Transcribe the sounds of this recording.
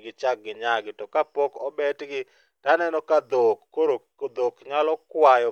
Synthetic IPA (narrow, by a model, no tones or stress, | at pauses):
ɡɪt͡ʃak̚ɡɪɲaɡɪtɔkapokɔbɛtɡɪ | tanɛnɔkad̪okːoɾo | od̪okɲalɔkwajɔ